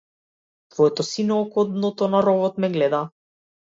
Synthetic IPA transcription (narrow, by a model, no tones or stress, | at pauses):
t̪vɔɛt̪ɔsinɔːkɔd̪nɔt̪ɔnaɾɔvɔt̪mɛɡlɛd̪a